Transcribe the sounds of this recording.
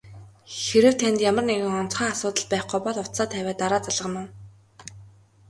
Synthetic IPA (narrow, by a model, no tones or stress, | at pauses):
xeɾɘ̆w̥t̪ʰːænt̪jamə̆rneɣɘ̆ŋɔn̥t͡sχaːasʊːt̪ə̆ɮpæːχɡʊjpɔɮʊt̪saːt̪ʰæwʲæːt̪aɾaːt͡saɮʁə̆mʊ̆n